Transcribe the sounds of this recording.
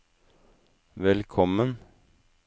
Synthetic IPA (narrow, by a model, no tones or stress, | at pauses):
ʋɛlkʰɔmən